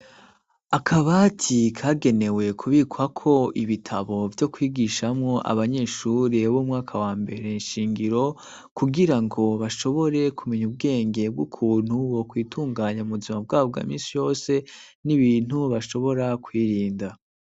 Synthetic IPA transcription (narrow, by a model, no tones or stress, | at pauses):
akʰaβatʰikʰaːɡe̞ne̞we̞kʰuβikwakʰo̞ʔiβitʰaβo̞vjo̞kwiːɡiːʃamŋo̞ʔa̰βaɲe̞ʃuːɾeβomŋaːkʰawaːmbe̞ɾe̞nʃiːŋɡiɾo̞ | kuɡiɾaŋɡo̞βaʃo̞βo̞ɾe̞kumeɲub̚ɡe̞ːŋɡe̞b̚ɡukʰuːn̥huwo̞kwiːtʰuːŋɡaːɲauβuzimabɡaːobɡa̰ːmḭ̃ːnsijo̞ːse̞niβiːn̥huβaʃo̞βo̞ɾakwiːɾiːnda